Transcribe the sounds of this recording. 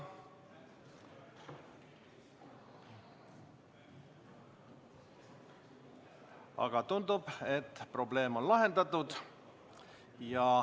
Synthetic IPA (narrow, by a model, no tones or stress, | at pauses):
ɑ̰ɡ̥ɑt̪und̪ub̥e̞t̪ːpro̞ble̞ːmo̞nlɑɦe̞nd̪̥ɑt̪ːˑud̪ | jɑ